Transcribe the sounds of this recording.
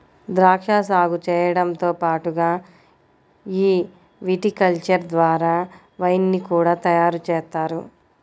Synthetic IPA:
d̪ɾaːkʂaːsaːɡut͡ʃɛːjɐɽɐmt̪oːpaːʈuɡaː | iː | ʋiʈikɐlt͡ʃɐɾd̪ʋaːɾaː | ʋɐjnːikuːɽaːt̪ɐjaːɾut͡ʃɛːst̪aːɾṵ

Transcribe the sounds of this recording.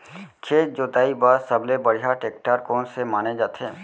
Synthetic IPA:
kʰeːt̪̚d͡ʒoːt̪aːibaːɾsəblebəɽijaʈeːk̚ʈaːɾkɔːnsemaːned͡ʒaːt̪eɦẽː

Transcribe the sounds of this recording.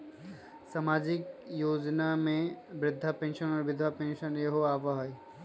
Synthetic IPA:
saːmaːd͡ʒɪkjoːd͡ʒnamẽbɾɪd̪ʱːapẽːnʃənɔːɾʋɪd̪ʱʋapẽːnʃənjɐɦoaːʋaɦi

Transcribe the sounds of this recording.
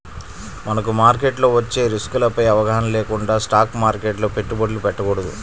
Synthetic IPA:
mɐnɐkumaːɾk̬eʈlo̞ːʋɐt͡ʃːe̞ːɾiskulɐpɐjɐʋɐɡɐɦɐnɐmlɛːkuɳɖaːsʈaːkmaːɾkeːʈloːpe̞ʈːubɐɖlupɛʈːɐkɔɽɐd̪ṵ

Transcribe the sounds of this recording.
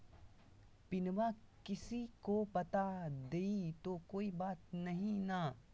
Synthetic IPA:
pɪnʋakɪsikopɐt̪ad̪eːit̪okoːibaːt̪̚nɐɦĩna

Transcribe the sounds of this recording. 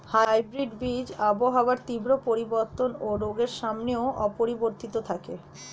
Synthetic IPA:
hajbɾiɖbid͡ʑaboɦawaɾt̪ibɾopoɾiboɾt̪onoɾoɡeɾʃamneoʔɔpoɾiboɾt̪it̪ot̪ʰake

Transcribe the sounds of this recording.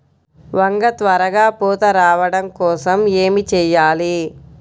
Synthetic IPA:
ʋɐŋɡɐt̪ʋɐɾɐɡaːpoːt̪ɐɾaːʋɐɽɐmkɔːsɐme̞ːmit͡ʃɛːjaːli

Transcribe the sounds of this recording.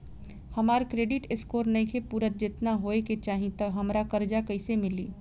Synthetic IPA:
hɐmaːɾkɾeːɖɪʈɪskoːɾnɐĩkʰepuːɾət̪̚d͡ʒɪt̪naɦoːeket͡ʃaːɦĩt̪ɐɦɐmɾakɐɾd͡ʒakɐɪsemɪliː

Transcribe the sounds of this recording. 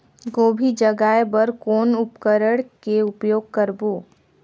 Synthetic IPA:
ɡoːbʱid͡ʒəɡaːebəɾkoːnʊpkəɾəɽkeʊpjoːɡ̚kəɾboː

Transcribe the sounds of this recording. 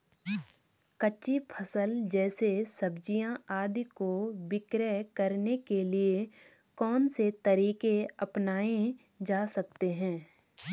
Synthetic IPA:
kɐt͡ʃːipʰəsəld͡ʒɛːsesɐbd͡ʒijãaːd̪ikobɪkɾɛkɐɾnekelie | kɔːnset̪ɐɾiːkeɐpnaːẽ | d͡ʒaːsɐk̚t̪eɦɛ̃ː

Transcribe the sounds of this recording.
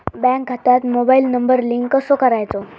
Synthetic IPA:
bɛ̃ŋk̚ɡʱat̪at̪mobailnəmbəɾliŋkːəsokəɾajt͡sɔ

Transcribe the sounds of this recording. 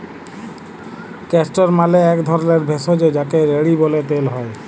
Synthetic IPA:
kɛsʈoɾmaleɛkd̪ʱɔɾoneɾbʱesod͡ʑed͡ʑakeɾeɽibolet̪elɦɔe

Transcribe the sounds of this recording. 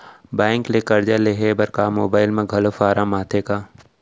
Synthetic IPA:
bɛ̃ːŋklekɐɾd͡ʒaleɦebɐɾkaːmoːbaːɪlmẽɡʱɐlofaːɾʔamaːt̪ʰekaː

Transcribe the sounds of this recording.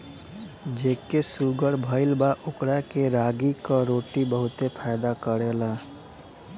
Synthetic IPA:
d͡ʒekesuɡəɾbʱəɪlbaʔokɾakeɾaɡikəɾoʈibəɦut̪epʰajd̪akəɾela

